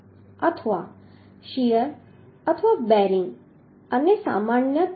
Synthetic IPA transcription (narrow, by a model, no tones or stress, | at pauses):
ɐt̪ʰʋaː | ʃijəɾ | ɐt̪ʰəʋaːbɛːɾĩŋɡ | ɐnesa̰ːmaːnjə